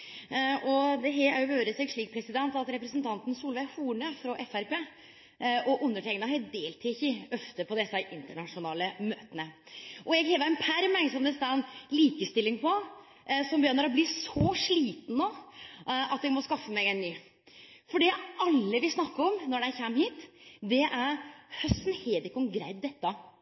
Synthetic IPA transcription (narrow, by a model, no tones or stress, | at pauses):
ɔd̪ɛɦɛæ̰ɾjʊʋøːɾəsɛːɡʂɭiːk̚pʰɾɛsɪd̪ɛnt̪ɑt̪ɾɛpɾəsənt̪ʰɑnt̪n̩suːlʋæɪhuːɳəfɾɑʔɛfæɾpeː | ɔʔʊnːəʈʰɛŋənɑɦɛd̪eːlt̪ʰɪçɪœft̪əpʰɔd̪ɛsːəʔɪnt̪əɳɑʂʊnɑːləmøːt̪ənə | ʔɔjɛɡheːʋəɾɪnpʰæɾmɛŋsɔmd̪ɛst̪ɑnliːkəst̪ɪlːɪŋpɔ | sɔmbəjœnːəɾɔbliːsɔʂɭiːt̪n̩no | ɑt̪jɛɡmɔskɑfːəmɛɡɛnːyː | fɔɖɛɑlːəʋɪsnɑkːəɾɔmnɔɖɛæçɛmːhiːt̪d̪ɛʔæɾhœst̪n̩heːd̪ɪkːɔmɡɾæ̰ɪd̪̚d̪ɛt̪ːɑ